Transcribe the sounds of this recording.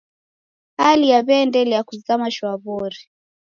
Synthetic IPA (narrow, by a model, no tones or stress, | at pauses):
halijaβɛndɛlɛjakuzamaʃwaβɔɾi